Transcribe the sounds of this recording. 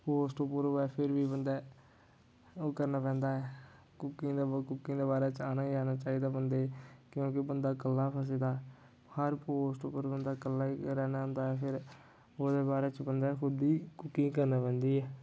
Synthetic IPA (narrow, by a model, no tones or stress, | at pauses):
poːsʈoːpəɾoɛːpʰɪɾʋiːbənd̪ɛː | oːkəɾnaːpɛ̃ːnd̪aːɛː | kʊkːĩːd̪kʊkːĩːd̪eːbaːɾɛːt͡ʃaːnaːd͡ʒaːnaːt͡ʃaːiːd̪aːbənd̪eːkjõːkɪbənd̪aːkəlːaːpʰəs̬eːd̪aː | həɾpoːsʈoːpəɾbənd̪aːkəlːaːiɾɛːnaːʊ̃nd̪aːɛːpʰɪɾ | oːd̪eːbaːɾeːt͡ʃbənd̪aːkʰʊd̪iːkʊkːĩːkəɾnaːpɛ̃ːnd̪iːɛː